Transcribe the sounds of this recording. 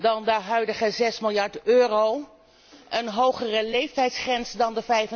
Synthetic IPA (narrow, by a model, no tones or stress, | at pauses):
dɑndəɦœɥdəχəzɛsmɪlˠjɑɹtøːrow | ʔənɦowχərəlejftɛjtsχrɛnsdɑndəvɛjvə